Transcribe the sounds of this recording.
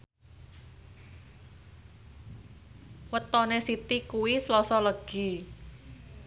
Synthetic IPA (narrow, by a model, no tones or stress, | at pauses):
wət̪ɔnesit̪ikuwislɔsɔləɡ̥i̤